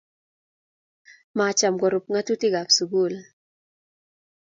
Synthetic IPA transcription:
ma˨t͡ʃa˨mɡɔ˨ɾu˨p̚ŋa˦tu˦ti˦ɡa˨psu˨ɡu˦˨l

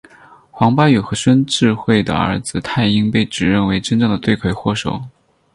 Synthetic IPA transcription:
xwɑ˧˥ŋpa˥y˨˩xɤ˧˥ʂwə˥nʈ͡ʂɻ̩˥˧xwe˥˩ɪd̪ə̰˩ə̰˞˧˥d͡zɹ̩˧t̪ʰa˥˧˩ɪi˥ŋpe˥˩ɪʈ͡ʂɻ̩˨˩ɻə˥˩nwe˧˥ɪʈ͡ʂə˥nʈ͡ʂɤ˥˩ŋd̪ə˩t̪we˥˩ɪkʰwe˥˧˩ɪxwɔ˥˩ʂo̰˨˩˦ʊ

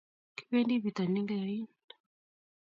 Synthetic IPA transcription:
ki̥˦βe˦ndi˦βi˨t̪a˨ni˦ŋɡa˦˨i˦n | a

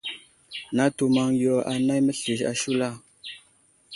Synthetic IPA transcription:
na˦tu˨ma˨ŋjo˨a̰˨na˦jmə˦ɬi˨ʃa̰˨ʃu˦la˦˨

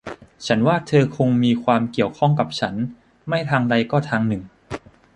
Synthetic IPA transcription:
t͡ɕʰa˦˥nwaː˥˩t̪ʰɤː˧kʰo˧ŋmiː˧kʰwaː˧mki˨˩əwkʰɔ˥˩ŋka˨˩p̚t͡ɕʰa˦˥n | ma˥˩jt̪ʰaː˧ŋda˧jkɔː˥˩t̪ʰaː˧ŋnɯ˨˩ŋ

